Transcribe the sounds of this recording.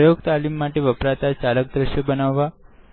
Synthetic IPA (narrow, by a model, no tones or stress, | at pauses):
joɡt̪alimːaʈeʋəpɾat̪at͡ʃalək̚d̪ɾəʃjəbənaʋːa